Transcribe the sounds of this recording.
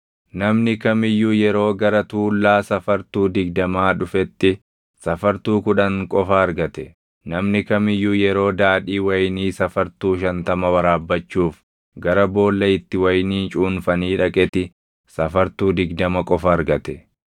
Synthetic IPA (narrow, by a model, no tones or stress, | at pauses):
nɐmnɪkɐmɪjːuːjɛɾo̞ːɡɐɾɐt̪uːlːaːsɐfɐɾt̪uːd̪ɪɡd̪ɐmaːᶑʊfɛt̪ːɪ | sɐfɐɾt̪uːkʊᶑɐŋkʼɔfɐːɾɡɐt̪ɛ | nɐmnɪkɐmɪjːuːjɛɾo̞ːd̪aːᶑiːwɐjniːsɐfɐɾt̪uːʃɐnt̪ɐmɐwɐɾaːbːɐt͡ʃːuːf | ɡɐɾɐbo̞ːlːɐɪt̪ːɪwɐjniːnt͡ʃʼuːnfɐniːᶑɐkʼɛt̪ɪ | sɐfɐɾt̪uːd̪ɪɡd̪ɐmɐkʼɔfɐːɾɡɐt̪ɛ